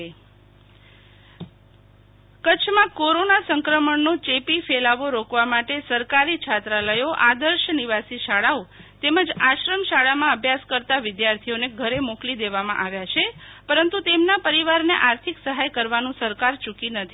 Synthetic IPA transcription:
kət͡ʃʰmãkoɾonasəŋkɾəməɳnot͡ʃepifelaʋoɾokʋamaʈesəɾkaɾit͡ʃʰat̪ɾaləjoʔad̪əɾʃəniʋasiʃaɭaot̪eməd͡ʒaʃɾəmʃaɭamãəbʱjaskəɾt̪aʋɪd̪jaɾt̪ʰioneɡʱəɾemoklid̪eʋamã̰ʔaʋjat͡ʃʰepəɾənt̪ut̪emnapəɾiʋaɾneʔaɾt̪ʰiksəɦajkəɾʋanũsəɾkaɾt͡ʃukinət̪ʰi

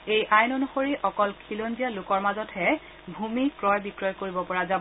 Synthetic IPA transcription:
ejʔajnɔnuxoɹiʔɔkɔlkʰilonzijalʊkɔɹmazɔtʰhɛ | bʱumikɹɔjbikɹɔjkoɹibɔpɔɹazabɔ

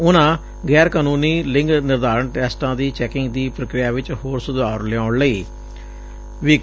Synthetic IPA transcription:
ʊnãː | ɡɛːɾkaːnũːniːlɪ̃ŋɡnɪɾd̪aːɾəɳʈɛːsʈãːd̪iːt͡ʃɛːkɪŋɡd̪iːpɾəkɾɪjaːʋɪt͡ʃhoːɾsʊd̪aːɾlɛãːʊɳləiː | ʋiː

